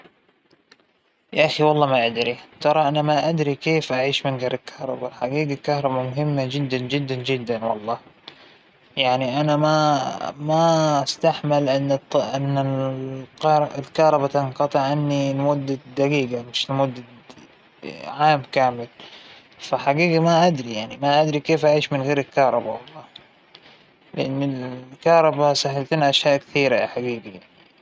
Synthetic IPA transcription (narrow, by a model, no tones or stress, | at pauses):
jaʔaxiwɑlˤːɑːmaʔad̪ɾit̪ɑɾˤɑʔanamaʔad̪ɾikeːfʔaʕiːʃmɪnɡɑɾˤɪlkʰɑhɾˤɑ̰balħaɡiːɡalkahɾˤɑbamʊɦɪmːad͡ʒɪd̪ːand͡ʒɪd̪ːand͡ʒɪd̪ːanwɑ̰lˤːɑː | jaʕniʔanamamaʔast̪aħmɪlʔnːʔɪnːa | ɑɾɪlkɑɾˤɑbat̪ɪnqɑt̪ˤɨʕʔanːinmʊd̪ːad̪aɡiːɡamɪʃnmʊd̪ːa | ʕaːmkaːmɪl | faħaɡiːɡimaʔad̪ɾijaʕnimaʔad̪ɾikeːfʔaʕiːʃmɪnɣeːɾɪlkɑɾˤɑba̰wɑlˤːɑː | lɪʔanːɪlkɑɾˤɑbasaɦalt̪inʔaʃjaːʔkθiːɾaħaɡiːɡijaʕni